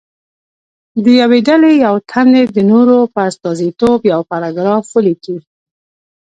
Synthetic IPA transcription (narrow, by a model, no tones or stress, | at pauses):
d̪əjaweɖalejawt̪ʰand̪ed̪ənoɾopəast̪ɑzit̪objawpaɾɑɡɾɑfwəliki